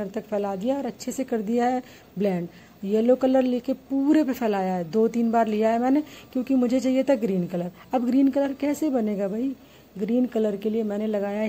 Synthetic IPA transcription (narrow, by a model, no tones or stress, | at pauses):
əɾt̪ɐkpʰɛːlaːd̪ijaɔːɾɐtːʃʰesekɐɾd̪ijaɦɛ | blɛ̃ːɳɖ | jɛːlokɐləɾleːkepuːɾepepʰɛːlaːjaɦɛd̪oːt̪iːnbaːɾlijaɦɛmɛ̃ːnekjõːkimʊd͡ʒʱet͡ʃaːɦijet̪ʰaɡɾiːnkɐləɾ | ɐbɡɾiːnkɐləɾkɛːsebɐneːɡabʱɐi | ɡɾiːnkɐləɾkeliemɛ̃ːnelɐɡaːja